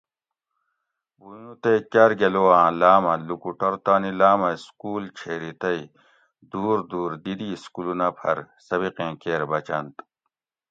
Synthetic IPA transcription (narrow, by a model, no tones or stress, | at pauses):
bujnut̪ekɐɾɡeloãːlaːmɐlukuʈɐɾt̪aːnilaːmɐskuːlt͡ɕʰeːɾit̪ɐi | d̪uːɾd̪uːɾd̪id̪iskulunapʰɐ̰ɾ | sɐβiqẽːkeːɾbɐt͡ɕɐnt̪